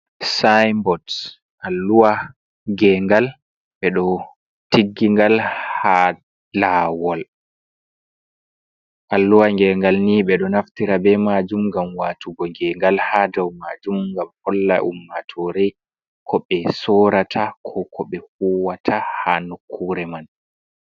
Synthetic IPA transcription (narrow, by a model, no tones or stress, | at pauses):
sajmbɔd | ʔalːuwa | ɡɛŋɡal | ɓɛɗɔ | tiɡːiŋɡalha | lawɔl | ʔalːuwaŋɡɛŋɡalniɓɛɗɔnaftiɾabɛmad͡ʒumŋɡamwaːtuɡɔŋɡɛŋɡalhadɔwmad͡ʒumŋɡamhɔlːa̰ʔṵmːatʰɔɾɛ | kʰɔɓɛsɔɾatʰakʰɔkʰɔɓɛhuwatʰahanukʰːuɾɛman